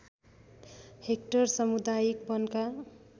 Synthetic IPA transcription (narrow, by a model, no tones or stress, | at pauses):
hek̚ʈʌrsʌmud̪ajik̚bʌnka